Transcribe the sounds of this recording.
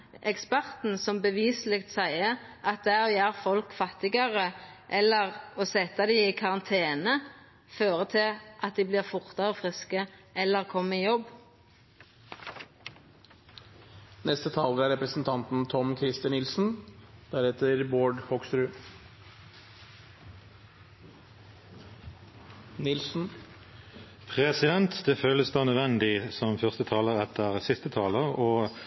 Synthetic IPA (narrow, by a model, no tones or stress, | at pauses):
ʔɛkspæʁt̪n̩sɔmbəʋiːslɪːk̚t̪sæɪə | ʔɑt̪̚d̪ɛæoːjæːʁfɔlkfɑt̪ɪɡɑʁəʔɛlːəʁoːsɛt̪ːɑd̪ɪɪkʰɑʁɑnt̪ʰeːnə | føːʁət̪ʰɪlʔɑt̪̚d̪iːbliːʁfʊʁt̪ɑʁəfʁɪskəʔɛlːəʁkʰɔmːəɪjɔb | nɛst̪ət̪ʰɑːləɾæɾɛpɾəsn̩t̪ʰɑnt̪n̩t̪ʰɔmkʰɾɪst̪ənɪlsn̩d̪̥æɾɛːt̪ʰəɾboːɖhɔɡsɾʉː | nɪlsn̩ | pʰʁɛsɪd̪ɛnt̪d̪ɛføːləsd̪oːnœd̪ʋɛnd̪ɪsɔmfœʁst̪ət̪ʰɑːləʁɛt̪ʰəʁsɪst̪ət̪ʰɑːləʁɔː